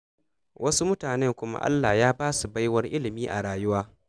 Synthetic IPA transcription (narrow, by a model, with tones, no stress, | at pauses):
wʔɐ˦su˦mʊ˦taː˨nɛ˦ŋkʷʊ˦ma̰˦ʔa̰˦lːa˨hjaː˦baː˦su˨ba˦jwɐ˦rʔɪ˦lɪ˨miː˦ʔa˨ɽaː˨jʊ˦waː˦